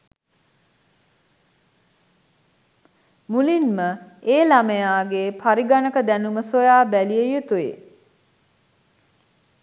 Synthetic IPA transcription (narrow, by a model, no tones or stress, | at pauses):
mulinməeːlaməjaːɡepʰaɾiɡanəkəd̪ænuməsojaːbælijejut̪uḛ